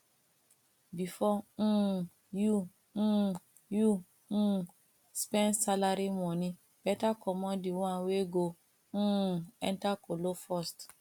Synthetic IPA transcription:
bifɔ̃ | jũ | jũ | spɛ̃nsalaɾimɔ̃nĩ | b̥ɛtakɔmɔ̃diw̃ãweɡõ | ɛ̰̃ntakolofɔst

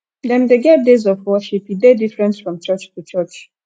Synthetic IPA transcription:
dɛ̃mdeɡɛdezɔvwɔʃipidedifɹɛ̃ntfɹɔ̃mt͡ʃɜt͡ʃtʰut͡ʃɜt͡ʃ

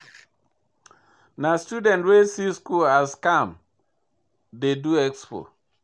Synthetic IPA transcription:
nastudɛ̃ntɹesiskulaskãm | deduɛkspo̰

